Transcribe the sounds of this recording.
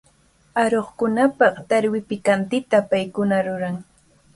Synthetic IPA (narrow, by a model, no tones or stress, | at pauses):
aɾoχkʊnapɑχt̪aɾwɪpɪkant̪ɪt̪apajkʊnaɾʊɾaŋ